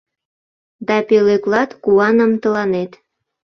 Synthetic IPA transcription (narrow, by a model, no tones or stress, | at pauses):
d̪ɑpeleklɑt̪kuɑnəmt̪ə̆lɑnet̪